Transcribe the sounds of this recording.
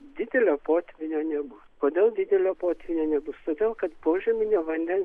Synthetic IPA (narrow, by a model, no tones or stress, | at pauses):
d̪ʲɪd̪ʲɛlʲoːpoːt̪ʲʋʲɪnʲoːnʲɛbʊskoːd̪ʲeːlˠd̪ʲɪd̪ʲɛlʲoːpoːt̪ʲʋʲɪnʲoːnʲɛbʊst̪oːd̪ʲeːlˠkɐt̪poːʒʲɛmʲɪnʲoːʋɐnʲd̪ʲɛns